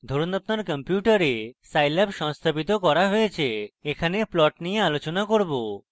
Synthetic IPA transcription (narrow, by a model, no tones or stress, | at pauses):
d̪ʱoɾunapnaɾkəmpjuʈaɾesajlɛbʃɔŋst̪ʰapit̪̬okɔɾaɦojet͡ɕʰeekʰaneplɔʈnijealot͡ɕonakoɾbo